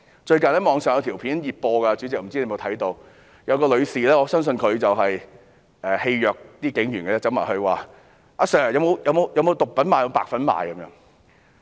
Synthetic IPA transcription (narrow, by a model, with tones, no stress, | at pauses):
t͡ʃɵ˧ɥkɐ˨nlɛː˥˩mɔː˨˧ŋsœː˨ŋjɐ˨˧wt̪ʰiː˨˩wpʰiː˨˥njiː˨˩t̚pɔː˧kaː˧t͡ʃyː˨˥t͡sɪ˨k̚m̩˨˩t͡si˥ne˧˥m˨˩t̪ʰɐ˨˥jt̪o˧w | jɐ˨˧wkɔː˧lɵ˨˧ɥsiː˨lɛː˥ŋɔː˨˧sœː˥ŋs̬ɵ˧nkʰɵ˨˧ɥt͡sɐ˨wɦɐ˨j | ʔɛː˨he˧jjœː˨k̚t̪iː˥kɪ˨˥ŋjyː˨˩nkɐː˧t͡sɛː˥t͡sɐ˧˥ma̰ː˨˩hɵ˧ɥwaː˨˩ | ʔaː˧˥sœː˨˩˨jɐ˨˧wmo˨˧wjɐ˨˧wmo˨˧wjɐ˨˧wmo˨˧wt̪ʊ˨k̚pɐ˨˥nmaː˨jɐ˧mo˧paː˨˧k̚fɐ˨˥nma̰ː˨˧jkɐ˨˦mjœː˧˥ŋ